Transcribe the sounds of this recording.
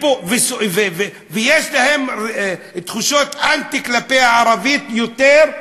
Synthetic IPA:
povesveve | vejeʃlahem | t̪χuʃot̪ant̪iklapejaʕaɾavit̪jot̪eʁ

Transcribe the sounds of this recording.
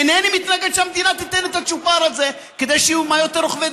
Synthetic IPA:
enenimit̪naɡed̪ʃeamd̪inat̪it̪enet̪at͡ʃupaɾalze | ked̪ejʃeumajot̪eɾoχve

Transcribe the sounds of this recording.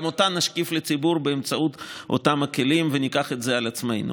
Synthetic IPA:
mot̪anːaʃkiflet͡sibuɾbeemt͡saut̪o̰t̪amake̞limvenikaχet̪zealat͡sme̞jnṵ

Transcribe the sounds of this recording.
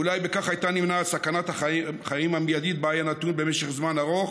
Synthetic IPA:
ulajbekaχajt̪animnasakanat̪aχajimamjad̪it̪̚beajanat̪unbe̞meʃe̞χzmanaʁoχ

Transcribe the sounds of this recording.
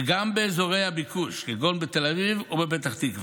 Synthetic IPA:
ɡambeːzoʁe̞jhabikuʃɡiɡonbet̪e̞lavivubebet̪aχt̪ikv

